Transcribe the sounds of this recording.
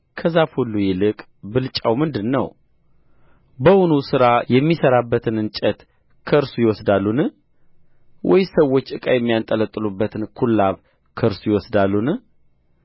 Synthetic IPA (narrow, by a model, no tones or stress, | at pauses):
kʰəzafhulːujɪlɨkʼ | bɨlt͡ʃʼawmɨnd̪ɨnːəw | bəwʊnusɨɾajɛmːisəɾabːət̪ʰɨnɨnt͡ʃʼət̪ | kʰəɾsujɪwɔsd̪alːun | wʔɔ̰jsəwːot͡ʃːʔɨkʼajɛmːijant̪ʼələt̪ʼːɨlubːət̪ʰɨnkʰulːaβ | kʰəɾsujɪwɔsd̪alːun